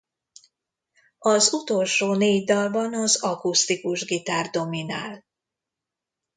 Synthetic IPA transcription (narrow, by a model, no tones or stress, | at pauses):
ɒzut̪o̞lʃoːneːɟd̪ɒlbɒnɒzɒkust̪ikuʒɡit̪aːrd̪o̞minaːl